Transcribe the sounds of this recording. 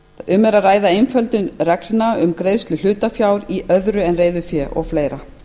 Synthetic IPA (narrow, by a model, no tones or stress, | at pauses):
ʏmɛɾaðraːjðaejnfœlt̪ʏnrɛklɪnaʏmkɾeːjst̪lʏl̥ʏːt̪afjaːwɾiʔœðɾʏɛnreːjðʏfjɛʔɔ̰ɣfleːjɾa